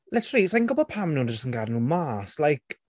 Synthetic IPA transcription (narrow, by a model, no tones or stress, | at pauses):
lɛtʰrisajnɡɔbɔpʰamnuːnəd͡ʒɪstənɡadnuːmaːslajkʰ